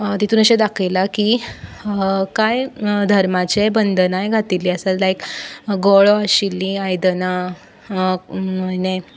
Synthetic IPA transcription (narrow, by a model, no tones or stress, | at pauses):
t̪it̪ʰuːnəɕẽd̪akʰəjlakiː | kajd̪ʱəɾmat͡ɕebənd̪ʱənajɡʱat̪ilːiːəsallajkɡɔɭoaɕilːiajd̪əna | əne